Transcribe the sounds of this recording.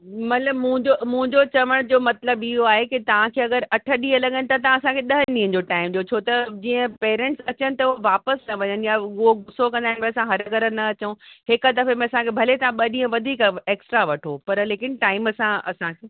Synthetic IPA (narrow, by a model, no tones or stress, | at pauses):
mɐt̪ləbmũɪ̃ɲd͡ʑomʊ̃ɦɪ̃ɲd͡ʑot͡ɕɐʋəɽ̃d͡ʑoːmɐt̪ləbɪɦoaːɦekit̪ɐʋ̤ãkʰeːɐɡəɾɐʈʰəɗĩːə̃lɐɠənɪ̆t̪ɐt̪ɐãɐsãkʰeɗɐɦənɗĩːɦə̃ɲd͡ʑoʈaːɪmɗijot͡ɕʰoːt̪ɐd͡ʑiːə̃peːɾẽːɳʈsɐt͡ɕənɪ̆t̪ɐʊɦoʋaːpəsnɐʋɐɲənɪ̆jaʊɦoɡʊsokɐ̃nd̪aːɦɪnmẽɐsãɦɐɾəɡəɾənɐɐt͡ɕəũhɪkəd̪ɐfemẽɐsãkʰebʱɐlet̪ɐʋãɓɐɗĩɦə̃ʋɐd̪ʱiːkeːksʈɾaʋɐʈʰopɐɾleːkɪnʈaːɪmɐsãɐ̰sãkʰeː